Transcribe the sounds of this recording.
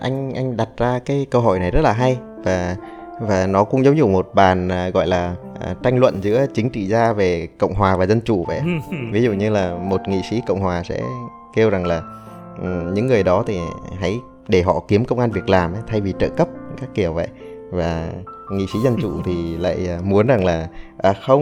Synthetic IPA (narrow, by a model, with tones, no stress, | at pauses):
ʔa˧jŋ̟ʔa˧jŋ̟ɗa˨˩t̚zaː˧kaː˨˦jkəː˧ɦo̰˧˩jna˨˩jzə˦˥t̚laː˨˩ɦa˧j | vaː˨˩ | vaː˨˩nɔ˨˦kʊ̰˧˥ŋ͡mzə˨˦wzṵ˧˨mo˨˩t̚ɓaː˨˩nː˨˩ɣɔ̰˧˨jlaː˨˩ʔt͡ɕa˧jŋ̟lwə̰˧˨nzɨ̰˧˥ət͡ɕï˨˦ŋ̟t͡ɕḭ˧˨zaː˧ve˨˩kə̰˧˨wŋ͡mɦwaː˨˩vaː˨˩zə˧nt͡ɕu˧˩və̰˧˨jʔvi˨˦zṵ˧˨ɲɨ˧laː˨˩mo˨˩t̚ŋḭ˧˨sḭ˧˥kə̰˧˨wŋ͡mhwaː˨˩sɛ̰˧˥ | ke˧wza˨˩ŋlaː˨˩ | ʔɲɨ̰˧˥ŋːɨ˨˩əjɗɔ˨˦t̪ʰi˨˩ɦa̰˧˥j | ɗe˧˩ɦɔ̰˧˨ki˨˦əmkə˧wŋ͡mʔaː˧nvi˨˩ək̚laː˨˩mʔa˨˦t̪ʰa˧jvi˨˩t͡ɕə̰ː˧˨kə˦˥p̚kaː˦˥kːi˨˧˩əwvə̰˧˨jvaː˨˩ŋḭ˧˨sḭ˨˦zə˧nt͡ɕṵ˧˩t̪ʰi˨˩la̰ː˧˨jːmu˨˦ənza˨˩ŋlaː˨˩ʔaː˨˩xə˧wŋ͡m